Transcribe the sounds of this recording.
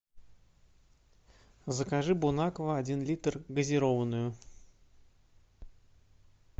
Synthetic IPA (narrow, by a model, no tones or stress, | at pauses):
zəkaʐɨbʊnakəvəɐdʲinlʲit̪rɡəzʲɪɾovənʊjʊ